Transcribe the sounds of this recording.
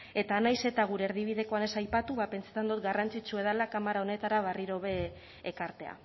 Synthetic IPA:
e̞t̪anajse̞t̪aɣ̞uɾe̞eːɾðiβ̞iðe̞ko̞ane̞sajpat̪uβape̞nt͡sḁt̪and̪ot̪ɡarant͡sit͡ʃue̞ð̞alakamaɾao̞ne̞t̪aɾaβ̞ariɾo̞βe̞ː | kaɾt̪e̞a̰

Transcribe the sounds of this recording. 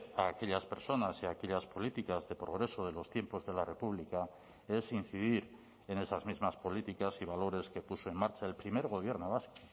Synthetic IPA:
aːke̞ʎaspe̞ɾso̞nasiake̞ʎaspo̞lit̪ikazðe̞pɾo̞ɣ̞ɾe̞so̞ð̞e̞lo̞st̪je̞mpo̞zðe̞lare̞puβ̞lika | e̞sin̟θiðiɾ | e̞ne̞sazmizmaspo̞lit̪ikasiβ̞alo̞ɾe̞skepusoe̞mːaɾt͡ʃae̞lpɾime̞ɾɣ̞o̞β̞je̞ɾnoβ̞asko̥

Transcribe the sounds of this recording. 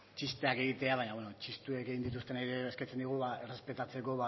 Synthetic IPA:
t͡ʃist̪e̞ake̞ɣ̞it̪e̞aβaɲaβwenot͡ʃist̪ueke̞ɣind̪it̪ust̪e̞naɾeesket͡se̞nd̪iɣ̞uβaere̞spe̞t̪at͡se̞ko̞βa

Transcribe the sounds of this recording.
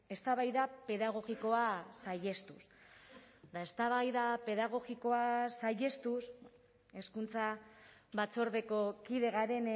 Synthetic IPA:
e̞st̪aβajðape̞ðaɣ̞o̞ɣiko̞asaje̞st̪us | d̪ae̞st̪aβajðape̞ðaɣ̞o̞ɣiko̞asaje̞st̪us | e̞skunt͡saβat͡so̞ɾðe̞ko̞kiðe̞ɣaɾe̞n

